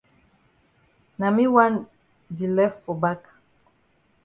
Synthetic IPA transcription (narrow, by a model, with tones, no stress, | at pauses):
na˨mi˦wa˦n | d͡ʒi˨lɛ˦fɔ˨ba˦k